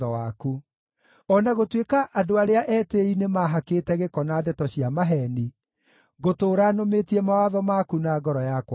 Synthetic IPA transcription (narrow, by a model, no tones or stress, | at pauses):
ɔwaku | ɔnaɣotwekaʔadoaɾeaʔɛːteinemaɦakeːtɛɣekɔnaːdɛtɔɕiamaɦɛni | ɣotoːɾanometiɛmawaðɔmakunaːɡɔɾɔjakwa